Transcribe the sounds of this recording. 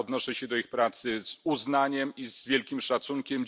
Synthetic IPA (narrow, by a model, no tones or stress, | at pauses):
ɔd̪nɔʂɛɕɛd̪ɔixpɾat̪sɘz̥uznaɲɛmizvʲjɛlkʲimʂat̪suŋkʲɛm